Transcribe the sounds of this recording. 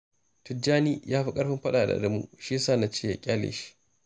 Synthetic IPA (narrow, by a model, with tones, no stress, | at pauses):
tʊ˨˦d͡ʒaː˦niː˦jaː˦ɸi˦kʼɐ˦ɸɪ˦mɸɐ˦ɗaː˨da̰˨˦ɐ˦mṵ˦ʃi˦saː˦˨na˨t͡ʃeː˦˨ja˨kʲʼaː˦lḛː˨ʃi̥˦